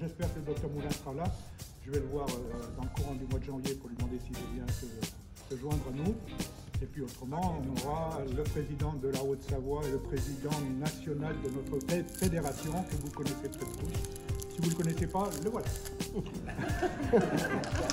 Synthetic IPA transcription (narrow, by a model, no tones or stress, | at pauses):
ʒɛspɛʁkələd̪ɔk̚t̪œʁmulɛ̃səʁalaʒ̥əvɛləvwaʁød̪ɑ̃ləkuʁɑ̃d̪ymwad̪əʒɑ̃vjepuʁlɥid̪mɑ̃d̪esiʒəvjɛ̃sə | səʒwɛ̃d̪ʁanu | epɥiot̪χəmɑ̃ɔ̃nɔʁaləpχezid̪ɑ̃d̪əlaot̪savwaeləpχezid̪ɑ̃nasjɔnald̪ənɔt̪χəfefed̪eʁasjɔ̃kəvuləkɔnɛseptɛt̪t̪us | sivuləkɔnɛsepaləwat̪a